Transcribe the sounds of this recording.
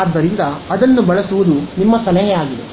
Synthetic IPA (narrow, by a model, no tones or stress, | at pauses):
ɾd̪ɐɾind̪ɐːd̪ɐnːubɐɭɐsuʋud̪unimːɐsɐlɐɦɛaːɡid̪ḛ